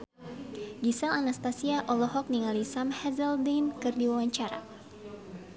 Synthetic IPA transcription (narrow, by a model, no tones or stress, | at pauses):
ɡisɛlanast̪asiaʔɔlɔɦɔk̚niŋalisamhɛzɛldinkɨrdiwawaɲt͡ʃaɾa̰